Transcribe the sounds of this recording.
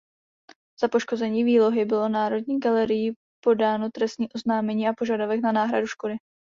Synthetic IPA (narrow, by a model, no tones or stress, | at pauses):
z̥apo̞ʃko̞zɛɲiːviːlo̞ɦɪbɪlo̞naːɾo̞dɲiːɡalɛɾɪji | po̞daːno̞t̪ɾɛst̪ɲiːʔo̞znaːmɛɲiːʔapo̞ʒadovɛknanaːɦɾa̰duʃko̞dɪ